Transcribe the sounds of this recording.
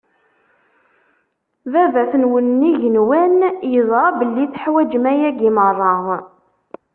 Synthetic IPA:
ðævæθənwənːiʝənwænjəðˤɑbəlːiθħwæd͡ʒmæjæɡimərˤːɑ

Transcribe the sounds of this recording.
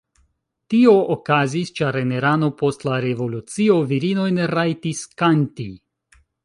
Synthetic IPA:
tio̞ʔokazist͡ʃaɾe̞ne̞ɾano̞po̞stlaɾe̞vo̞lut͡sio̞viɾinojnɾajtiskanti

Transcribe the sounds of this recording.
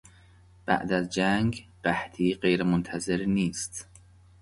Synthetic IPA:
b̥æ̰ʔd̪æzd͡ʒæŋɡɢ̥æht̪ʰiːɢe̞jɾemont̪ʰæze̞ɾniːst̪

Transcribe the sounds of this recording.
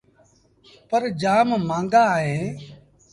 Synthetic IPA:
pəɾd͡ʒaːmmãːŋɡaːɦẽː

